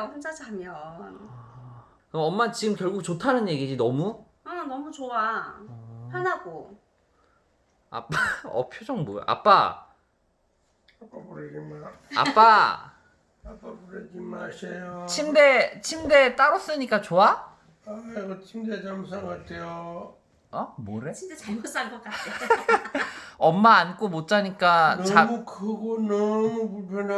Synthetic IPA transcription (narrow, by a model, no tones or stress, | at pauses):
ɸand͡ʑad͡ʑʰamʌn | kɯʌmːat͡ɕiɡɯmkjʌɭɡuk̚t͡ɕotʰanɯnje̞ɡid͡ʑinʌmu | anʌmut͡ɕoa | hanaɡo | a̰p͈aʌ̰pʰjod͡ʑʌŋboj̰ʔa̰p͈a̰ | apapuɾeɡimaa̰p͈a | ap͈apuɾeɡimaɕʰejot͡ɕʰimde̞t͡ɕʰimde̞t͈aɾʌs͈ɯɲik͈at͡ɕoa | aɡʌt͡ɕʰimdet͡ɕamsʰaŋɡatʰejo | amoɾeidet͡ɕamus͈ʰanɡʌk͈at | ʌmːaːnk͈omot̚t͡ɕ͈aɲik͈ant͡ɕamukɯɡonʌmupuɭpʰjʌna